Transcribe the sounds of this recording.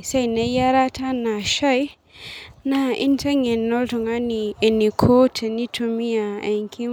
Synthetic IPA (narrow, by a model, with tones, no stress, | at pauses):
sa˦jne˦ja˦ɾa˦tʰa˦na˨ʃa˦j | na˦ḭ˦nta˦ŋe˨nːo˦ltu˨ŋa˦ni˨e˨ni˨kʰo˦tʰe˨ni˦tʰu˨mi˦a˨e˨ŋkʰi˦